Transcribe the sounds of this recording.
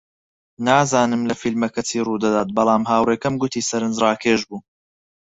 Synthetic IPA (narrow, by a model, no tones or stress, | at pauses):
naːzaːnɨmlɐfilmɐkɐt͡siːruːd̪ɐd̪aːt̪̚bɐlˠaːmɦaːwreːkɐmɡʊt̪ʰiːsɐɾɨnd͡ʒraːkʰeːʒbuː